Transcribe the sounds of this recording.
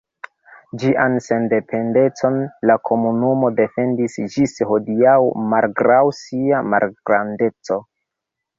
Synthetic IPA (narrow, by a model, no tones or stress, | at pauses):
d͡ʒiʔanse̞nde̞pʰe̞nde̞t͡so̞nlakʰo̞munumo̞de̞fe̞ndisd͡ʒisho̞diawmalɡɾawsiama̰lɡɾande̞t͡so̞